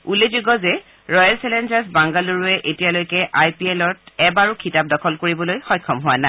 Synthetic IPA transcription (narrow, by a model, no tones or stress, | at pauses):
ulezuɡɔzɛ | ɹɔjalsɛlendasbaŋɡaluɹuɛʔetijalojkɛʔajpiɛlɔtɛbaɹukʰitap̚dɔkʰɔlkoɹibɔlojxɔjkʰːɔmɦʊwana